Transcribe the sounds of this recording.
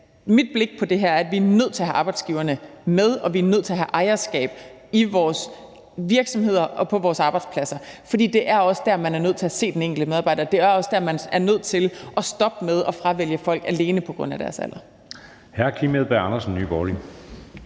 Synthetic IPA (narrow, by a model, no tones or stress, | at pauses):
mid̥̚b̥le̝ɡ̥̚pʰɒ̽d̥e̝ɦæɐ̰æɐædʋiæɐnøð̞̰ˠt͡sʰe̝ɦæʔɑ̈ːb̥ɑɪdsɡ̥iʊɐnəmeð̞ˠɒ̽ʋiæɐnøð̰ˠt͡sʰe̝æɦæʔɑ̈ɪɐsɡ̥ɛ̰ːb̥ | iʋɒːs | ʋiɐɡ̥sɒ̽mɦe̝ð̞̰ˠɐʔɒ̽pʰɒ̽ʋɒːsɑ̈ːb̥ɑ̈ɪd̥spʰlæsɐfɒd̥ḭːd̥e̝ʔæɐɒ̽səd̥æɐmænæɐnøð̰ˠt͡sʰe̝æse̝̰ːd̥eneŋ̰ɡ̥l̩dəmeðˠɑbɑ̈ɪ̰dɐːd̥e̝æɐɒ̽sd̥æɐmænæɐnøð̞̰ˠt͡sʰe̝lʔɒ̽sd̥ɒ̽b̥með̞ˠɒ̽fʁɑ̈ʋel̰jəfɒ̽l̰ɡ̥æle̝ːnəpʰɒ̽ɡ̥ʁɔ̽n̰æd̥æɐsæ̰l̰ɐ | hæɐ̰kʰimeðˠb̥eɑ̈nɐsn̩ːyːb̥ɒli